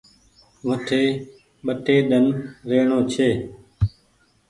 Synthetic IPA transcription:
ʋəʈʰeː | ɓəʈeːɗənɾeːɳoːt͡ʃʰeː

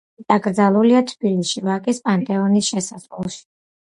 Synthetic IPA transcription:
d̪̥ʼaɡɾd̪zalˠuliat̪ʰb̥iliʃivakʼispʼant̪ʼɛɔnisʃɛsazʁlɔʃi̥

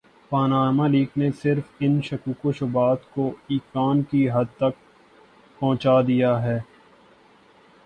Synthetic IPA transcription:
paːnaːmaliːknesɪɾfɪnʃɐkuːkoʃʊbaːt̪koiːkaːnkiɦɐd̪̚t̪ɐk̚ | pɐ̃ɦʊ̃t͡ʃaːd̪ijaɦɛː

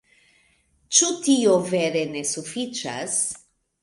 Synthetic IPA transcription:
t͡ʃutioveɾe̞ne̞sufit͡ʃa̰s

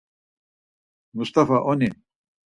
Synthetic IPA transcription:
must̪afaʔone

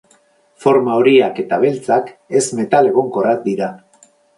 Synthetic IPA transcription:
fo̞ɾmaoɾiake̞t̪aβe̞lt͡sake̞zme̞t̪ale̞ɣo̞ŋko̞rak̚d̪iɾa

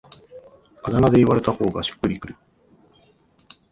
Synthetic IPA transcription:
ad̪anad̪e̞iβaɾe̞t̪aho̞ːɡaɕi̥kːɯ̟ɾʲikɯ̟ɾɯ̟

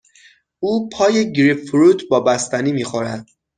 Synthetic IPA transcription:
uːpʰɒːjeɟɾifɾuːt̪ʰbɒːbæst̪æniːmiːxoɾænd̪̥

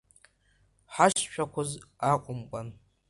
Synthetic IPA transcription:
ħaʃʃʷᶣʰakʷʰʊzaqʷʼʊmkʷʼan

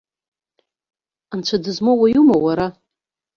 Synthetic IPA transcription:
ant͡ɕʷʰadɨzmowajumowaɾa

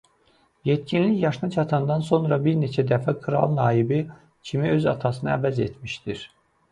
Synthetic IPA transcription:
jet̪cinliçjɑʃɯnɑt͡ʃʰɑt̪ʰɑnd̪ɑnso̞nɾɑbiɾne̞t͡ʃʰæd̪æfækʰɯɾɑ̰lˠnɑːibi | cʰimiø̞zɑ̰t̪ʰɑsɯnɯæ̰væze̞t̪ʰmiʃd̪iɾ

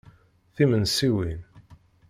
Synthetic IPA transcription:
θimənsiwin

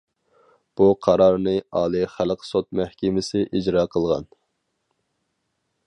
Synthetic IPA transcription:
b̥uqʰɑɾɑɾnɨɑːlˠɨχælqʰsot̪̚mæhkʲɪmɪsɪʔid͡ʒɾɑːqʰəlˠʁɑ̰n

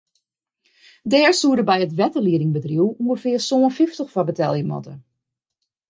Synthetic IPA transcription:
dɛːɹsuədəbɛjətʋɛtəliəɾɪŋbədruwuŋɡəfɪərsoːənfɪftəχfabətɛlˠjəmɔ̰tə̰

